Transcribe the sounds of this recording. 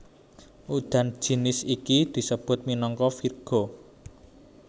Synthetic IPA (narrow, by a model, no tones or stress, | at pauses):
ʔud̪̥a̤n̥d͡ʒ̥i̤nɪsikid̪̥i̤səb̥ʊ̤t̪̚minɔŋkɔfirɡ̥o̤